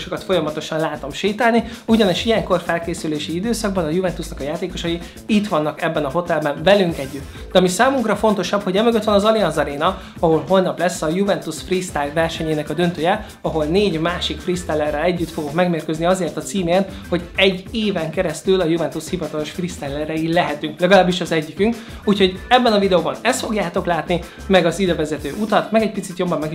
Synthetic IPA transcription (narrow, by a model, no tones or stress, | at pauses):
ʃokɒt̪fo̞jɒmɒt̪o̞ʃɒnlaːt̪o̞mʃeːt̪aːlni | uɟɒniʃijɛŋko̞rfɛlkeːsyleːʃiid̪øːsɒɡ̚bɒnɒjuvɛnt̪usnɒkɒjaːt̪eːko̞ʃɒji | it̪ʋɒnːɒkɛbːɛnɒɦo̞t̪ɛlbɛnvɛlyŋkɛɟːyt̪ | d̪ɛɒmisaːmuŋkrɒfo̞nt̪o̞ʃɒbho̞ɟɛmøɡøt̪ʋɛnɒzɒliɒzɒɾeːnɒ | ɒɦo̞lɦo̞lnɒplɛsːɒjuvɛnt̪usfrist̪aːɡvɛrʃɛɲeːnɛkɒd̪ø̞nt̪øːjɛ | ɒɦo̞lneːɟmaːʃikfrist̪ɛlːɛrːɛlɛɟːyt̪foɡokmɛɡmeːrkøzniɒzeːrt̪ɒt̪siːmeːnho̞ɟɛɟːeːvɛŋkɛɾɛst̪ylɒjuvɛnt̪ushivɒt̪ɒlo̞ʃfrist̪ɛlːɛrɛilɛɦɛt̪yŋklɛɡɒlaːbːiʃɒzɛɟːikyŋk | uːcho̞ɟɛbːɛnɒvid̪ɛoːbɒnɛst̪fo̞ɡjaːt̪o̞klaːt̪ni | mɛɡɒzid̪ɛvɛzɛt̪øːʔut̪ɒt̪mɛɡɛc̚pit̪sit̪jo̞bːɒmːɛɡi